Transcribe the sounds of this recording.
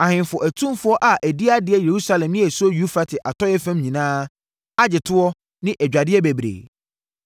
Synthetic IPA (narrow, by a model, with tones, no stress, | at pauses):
a˨hɪ̃˨nfʊ˨ʔæ˨tʰũ˦mfʊ˦ɔ˦ʔa˨ʔæ˨di˦a˦dɪ˨ɛ˦je˨ɾu˦sa˦lɛ̃˨mnɪ̃˦ɛ˨sʊ˦ɔ˦ju˦fa˦tʰɪ˨ʔa˨tʰɔ˦jɛ˦fɛ̃˦mɲĩ˨nãː˦ | a˦d͡ʑɪ˨tʰʊ˦ɔ˦ | nɪ̃˦ʔɛ˨d͡ʑᶣa˨dɪ˦ɛ˦bæ˨bɾḛː˨